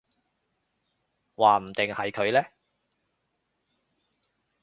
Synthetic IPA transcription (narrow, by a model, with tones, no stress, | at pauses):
waː˨m̩˨˩t̪ɪ˨ŋhɐ˨jkʰɵ˨˧ɥlɛː˥